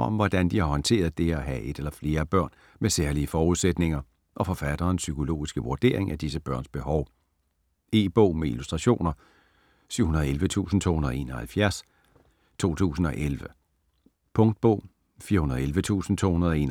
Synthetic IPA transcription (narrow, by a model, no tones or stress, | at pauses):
ɒ̽mʋɒd̥ænd̥ihɑ̈hɒ̽nt͡sʰe̝̰ːɐð̩ˠd̥e̝æɦæʔe̝d̥elɐfle̝ːɐb̥ɶɐ̰n | meseɐliəfɒːuð̞ˠsed̥ne̝ŋɐ | ʔɒ̽fɒ̽fæd̥ɐːnsykʰo̝lo̝̰ːisɡ̥əʋuɐd̥e̝̰ːɐeŋæd̥is̬əb̥ɶɐ̰nsb̥e̝ɦɒʊ | e̝ːb̥ɔ̰ʊ̰meilusd̥ʁɑɕo̝̰ːnɐ | syʊ̰hunɐð̞̩ˠelʋət͡sʰṵːsn̩t͡sʰo̰ːhunɐðˠe̝̰ːnɒ̽hælfjæɐs | t͡sʰo̝̰ːt͡sʰṵːsn̩ɒ̽ʔelʋə | pʰɔ̽ŋd̥̚b̥ɔ̰ʊ̰ | fiːɐhunɐð̩ˠelʋət͡sʰṵːsn̩t͡sʰo̝̰ːhunɐð̩ˠɒe̝ːn